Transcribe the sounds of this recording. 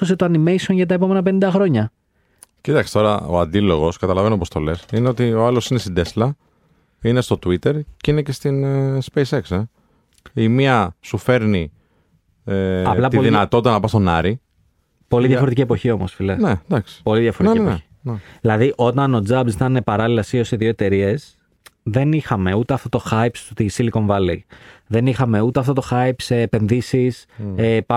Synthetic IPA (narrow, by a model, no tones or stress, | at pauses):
os̬et̪oɐnime̞jsonʝɐt̪̬ɐepo̞me̞nɐpe̞nind̪ɐxɾo̞ɲɐ | cit̪ɐksi̥t̪o̞ɾɐo̞̰ɐ̰nd̪ilo̞ɣo̞skɐt̪ɐlɐve̞nopo̞st̪o̞̰le̞sineot̪ioɐlo̞sinest̪id̪e̞slɐ | ine̞st̪o̞t̪uit̪e̞ɾceinece̞st̪inspejse̞kse | imiɐsufe̞ɾni | eɐlɐp̪t̪iðinɐt̪o̞t̪it̪ɐnɐpɐst̪o̞nɐɾi | po̞liðʝɐfo̞ɾt̪icie̞po̞çio̞mo̞sfilened̪ɐksi̥po̞liðʝɐfoɾetieeçi̥ | nðilɐðiʔo̞t̪ɐno̞d͡zɐbzit̪ɐnepɐɾɐlilɐsio̞siðio̞e̞t̪e̞ɾie̞s | ðe̞nixɐme̞ut̪e̞ɐft̪o̞t̪o̞xɐjpst̪isiliko̞ɱvɐlḭðe̞nixɐme̞ut̪eɐft̪o̞t̪o̞xɐjpseːpe̞nðisisep